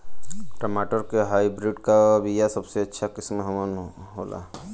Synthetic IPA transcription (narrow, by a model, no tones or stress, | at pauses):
ʈəmaːʈəɾkeɦaːibɾiɖkabʱijasɐbseɐtːʃʰakɪsmɦɐmənɦoːla̰ː